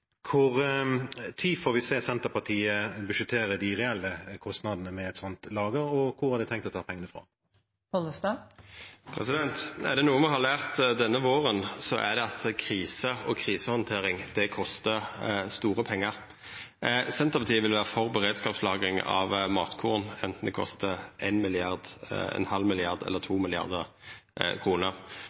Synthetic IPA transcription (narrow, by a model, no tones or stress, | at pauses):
kʰʊʁ | t̪ʰiːfɔːɾʋɪseːsɛnt̪əɾpɑt̪ʰiːəbʉʃət̪ʰeːɾəd̪ɪʁɛɛlːəkʰɔst̪nɑd̪ənəmɛɛt̪sɔnt̪lɑːɡəɾɔkʰʊʁæɾd̪ɛt̪ɛŋkt̪ɔt̪ʰɑːpʰɛŋːənəfɾɑ̰ː | pɔləst̪ɑ | pʰɾɛ̰sɪd̪ɛnt̪æ̰ʁd̪ɛnuːəmɛhɑʁlæːʁt̪d̪ɛnːəʋoːʁənsɔʔæ̰d̪ɛɑt̪kʰɾiːsəɔkʰʁiːsəhɑnt̪ʰeːʁɪŋd̪ɛkʰɔst̪əst̪uːʁəpʰɛŋːəʁ | sɛnt̪əʁpɑt̪ʰiːəʋɪlʋæːʁəfɔʁbəʁeːd̪skɑːpslɑːɡɪŋɑ̰ʋmɑ̰ːt̪kʰuːʁnɛnt̪n̩d̪ɛkʰɔ̰st̪əʔenmɪlɪɑʁd̪ɛ̰nhɑlmɪlɪɑʁd̪ɛ̰lːəʁt̪ʰuːmɪlɪɑ̰ʁd̪ə | kʰʁuːnəʁ